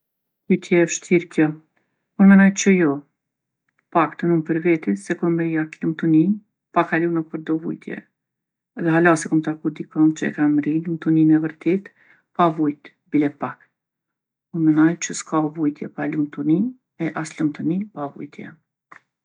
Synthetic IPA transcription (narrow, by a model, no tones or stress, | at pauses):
kujt̪ʰjɛɛfʃt̪iɾkjɔ | puɾmɛnajt͡ʃəjɔ | pakt̪ənumpəɾvɛt̪isɛkɔnd̪ɛɾiaklumt̪uni | pakalunapəɾd̪ɔvṵjt̪jɛ̰ | ðɛɦalasɛkɔmt̪akud̪ikɔnt͡ʃəɛ̰kanɾilumt̪uninɛvəɾt̪ɛt̪ | pavujt̪ | bilɛpak | puɾmɛnajt͡ʃəskavujt̪jɛpalumt̪uni | ɛʔaslumt̪unipavṵjt̪ʰjɛ̰